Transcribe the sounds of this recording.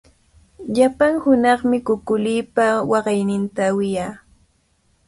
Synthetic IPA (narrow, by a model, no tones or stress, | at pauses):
ʎapaŋhʊnɑχmɪkʊkʊliːpawɑɢɑjnɪnt̪awɪjaː